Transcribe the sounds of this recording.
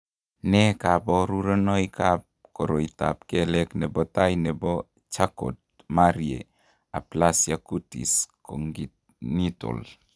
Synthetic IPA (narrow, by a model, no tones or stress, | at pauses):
nɛkabɔɾuɾɔnɔjkap̚ | kɔɾoita̰p̚kɛlɛknɛbɔtajnɛbɔ | t͡ʃako̰t̚ | maɾiḛ | aplasjakutḭskoŋɡit̚ | nitɔ̰l